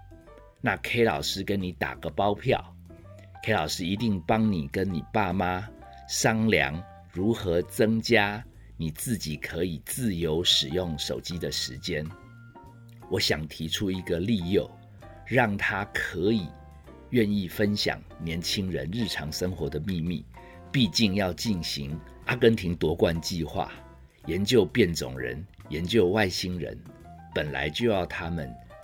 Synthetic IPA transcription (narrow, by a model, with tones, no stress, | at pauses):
na˥˨˩kʰe˥ɪlɑ˨˩ʊʂɻ̩˦˥kə˦˥nni˧˥˦t̪a̰˨˩ɡ̥ə˦pɑ˥ʊpʰjɑ̰˥˨˩ʊ | kʰe˥ɪlɑ˨˩ʊʂɻ̩˦˥i˧˥t̪i˥˩ŋpɑ˦ŋni˨˩kə˦˥nni˨˩pa˥˩ma˦ | ʂɑ˥ŋljɑ̰˧˥ŋ | ɻu˨˥xɤ˧˥t͡sɤ˥ŋt͡ɕja˥ | ni˨˩t͡sɹ̩˥˩t͡ɕi˨˩kʰɤ˧˦i˨˩t͡sɹ̩˥˩jo˧˥ʊʂɻ̩˨˩jʊ˥˩ŋʂo˨˩ʊt͡ɕi˦˥d̪ə˨ʂɻ̩˧˦t͡ɕjɛ˥˦n | wɔ˧˥˦ɕjɑ˨˩ŋt̪ʰi˧˥ʈ͡ʂʰu˦i˧˥ɡə˨li˥˧jo˥˩ʊ | ɻɑ˥˩ŋt̪ʰa˦kʰɤ˨˧˥i˨˩ | ɥɛ˥˧ni˥˩fə˦nɕjɑ̰˨˩ŋnjɛ˧˥nt͡ɕʰi˥ŋɻə̰˧˦nɻɻ̩˥˩ʈ͡ʂʰɑ˧˥ŋʂə˥ŋxwɔ˧˥d̪ə˨mi˥˧mi˥˩ | pi˥˧t͡ɕi˥˧ŋjɑ˥˧ʊt͡ɕi˥˩nɕḭ˧˦˥ŋ | a˥kə˥nt̪ʰi˧˥ŋt̪wɔ˧˥kwa˥˨nt͡ɕi˥˧xwa̰˥˩ | jɛ˨˧˥nt͡ɕjo˥˧ʊpjɛ˥˩nt͡sʊ̰˨˩ŋɻə̰˧˦n | jɛ˧˦nt͡ɕjo˥˧ʊwa˥˨ɪɕi˥ŋɻə̰˧˦n | pə˨˩nla̰˧˦ɪt͡ɕjo˥˧ʊjɑ˥˩ʊt̪ʰa˦mə˨n